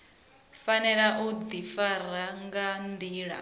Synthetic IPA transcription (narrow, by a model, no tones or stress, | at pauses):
fanɛɺaʔud̪ifaɾaŋɡand̪iːɺa̰